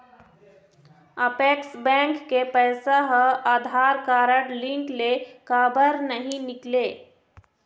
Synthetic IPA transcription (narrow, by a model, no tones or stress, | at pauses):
əpeːksbɛ̃ːŋkːepɛːsaɦəaːd̪ʱaːɾkaːɾəʈlɪ̃ŋklekaːbəɾnəɦĩnɪkleː